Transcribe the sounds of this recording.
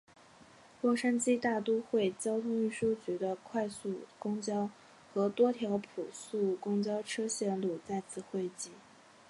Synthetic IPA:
lwɔ˥˩ʂa˥nt͡ɕi˥t̪a˥˩t̪u˥xwe˥˩ɪt͡ɕjɑ˥ʊt̪ʰʊ˥ŋy˥˩ʂu˥t͡ɕy˧˥d̪ə˧kʰwa˥˧ɪsu˥˩kʊ˥ŋt͡ɕjɑ˥ʊ | xɤ˧˥t̪wɔ˥t̪ʰjɑ˧˥ʊpʰu˨˩su˥˩kʊ˥ŋt͡ɕjɑ˥ʊʈ͡ʂʰɤ˥ɕjɛ˥˧nlu˥˩t͡sa˥˧ɪt͡sʰɹ̩˥˩xwe˥˧ɪt͡ɕi˥˩

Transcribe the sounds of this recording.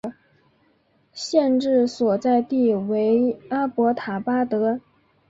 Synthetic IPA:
ɕjɛ˥˧nʈ͡ʂɻ̩˥˩swɔ˨˩t͡sa˥˧ɪt̪i˥˩we˧˥ɪa˥pwɔ˧˥t̪ʰa˨˩pa˥t̪ɤ˧˥

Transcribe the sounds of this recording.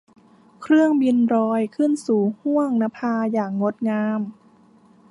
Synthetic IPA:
kʰɾɯ˥˩əŋbi˧nɾɔː˧jkʰɯ˥˩nsuː˨˩hu˥˩əŋna˧˥mpʰaː˧jaː˨˩ŋːo˦˥t̪̚ŋaː˧m

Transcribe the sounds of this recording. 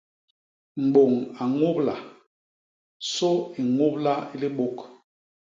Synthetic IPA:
m̩˨ɡ͡bo˨ŋa˨ŋo˦pla˨ | so˦i˨ŋo˦p̚la˦i˦li˦ɓo˦k

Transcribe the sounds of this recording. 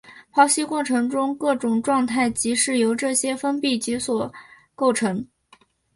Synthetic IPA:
pʰɑ˧˥ʊɕi˥kwɔ˥˩ʈ͡ʂʰɤ˧˥ŋʈ͡ʂʊ˥ŋkɤ˥˩ʈ͡ʂʊ˨˩ŋʈ͡ʂwɑ˥˧ŋt̪ʰa˥˩ɪt͡ɕi˧˥ʂɻ̩˥˩jo˧˥ʊʈ͡ʂɤ˥˩ɕjɛ˥fə˥npi˥˩t͡ɕi˧˥swɔ˨˩ | ko˥˩ʊʈ͡ʂʰɤ˧˥ŋ

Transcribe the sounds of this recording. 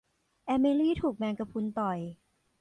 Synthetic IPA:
ʔɛː˧meː˧liː˥˩t̪ʰuː˨˩k̚mɛː˧ŋka˧pʰu˧nt̪ɔ˨˩j

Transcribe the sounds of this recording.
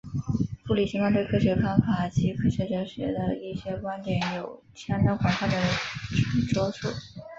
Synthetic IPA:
fu˥˩li˨˩ɕi˧˥ŋkwa˥˧nt̪we˥˧ɪkʰɤ˥ɕɥɛ˧˥fa˥nfa˨˩˦t͡ɕʰi˧˥kʰɤ˥ɕɥɛ˧˥ʈ͡ʂə˧˥ɕɥɛ̰˧˥d̪ə˧i˥˩ɕjɛ˥kwa˥nt̪jɛ˨˧˥njo˨˩ʊt͡ɕʰjɑ˥ŋt̪ɑ˥ŋkʰwɑ˨˥nxa˥˩d̪ə˩ʈ͡ʂʰʈ͡ʂwɔ˥ʈ͡ʂʰṵ˥˩˦

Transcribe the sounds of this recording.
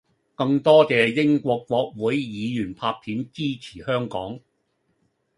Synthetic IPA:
kɐ˧ŋt̪ɔː˥t͡sɛː˨jɪ˥ŋkʷɔː˧kwʷɔː˧k̚wuː˨˥jjiː˨˧jyː˨˩npʰaː˧p̚p̪ʰiː˨˥nt͡siː˥t͡sʰi̥ː˨˩hœː˥ŋkɔː˨˥ŋ

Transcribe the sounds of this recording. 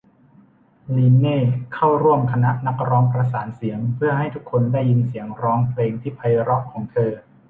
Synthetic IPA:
niː˧nːeː˥˩kʰa˥˩wɾu˥˩əmkʰa˧na˦˥ʔna˦˥k̚ɾɔː˦˥ŋpɾa˧s̬aː˩˦nsi˩˦əŋpʰɯ˥˩ɐha˥˩jt̪ʰu˦˥kʰːo˧ndaː˥˩jːi˧nsi˩˦əŋɾɔː˦˥ŋpʰleː˧ŋt̪ʰiː˥˩pʰa˧jɾɔ˦˥kʰːɔː˩˦ŋt̪ʰɤː˧

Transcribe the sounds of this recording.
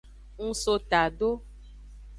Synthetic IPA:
ŋ̩̃˨so˨t̪a˨ɖo˦

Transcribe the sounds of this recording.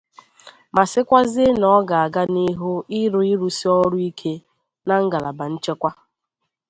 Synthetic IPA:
ma˨sɪ˦kʷa˦zɪ˦nɔ˦ɡa˨a˨ɡa˦ni˦ɦʊ˦ɪ˦ɾʊ˦i˦ɾu˨si˦ɔ˦ɾʊ˦i˦kʰe˦ | na˦ŋ̩˦ɡa˨la˨ba˨n̩˦t͡ʃe˦kʷa˦

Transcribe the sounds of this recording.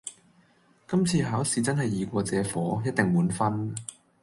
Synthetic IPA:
kɐ˥mt͡sʰiː˧ɦaː˨˥wsiː˨˧t͡sɐ˥nhɐ˨jːiː˨kʷɔː˧t͡sɛː˨˧fɔː˨˥jɐ˥t̚t̪ɪ˨ŋmuː˨˥nfɐ˥n

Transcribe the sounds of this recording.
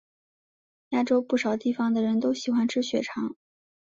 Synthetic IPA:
ja˥ʈ͡ʂo˥ʊpu˥˩ʂɑ˨˩ʊt̪i˥˩fɑ˩ŋd̪ə˨ɻə˧˥nt̪o˥ʊɕi˨˩xwa˥nʈ͡ʂʰɻ̩˥˩ɕɥɛ˨˧˩ʈ͡ʂʰɑ˧˥ŋ

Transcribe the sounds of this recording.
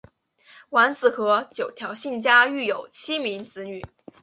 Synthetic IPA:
wa˧˥nt͡sɹ̩˨˩xɤ˧˥t͡ɕjo˨˩ʊt̪ʰjɑ˧˥ʊɕi˥˩nt͡ɕja˥y˥˩jo˨˩ʊt͡ɕʰi˥mi˧˥ŋt͡sɹ̩˧˥ny˨˩˦

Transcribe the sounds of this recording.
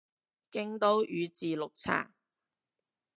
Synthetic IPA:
kɪ˥ŋt̪o˥wʔyː˨˧t͡siː˨lʊ˨k̚t͡sʰa̰ː˨˩

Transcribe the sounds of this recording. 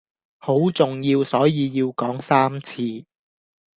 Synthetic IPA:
ho˨˥wt͡sʊ˨ŋjiː˧wsɔː˨˥jiː˧jiː˧wkɔː˨˥ŋsaː˥mt͡sʰiː˧

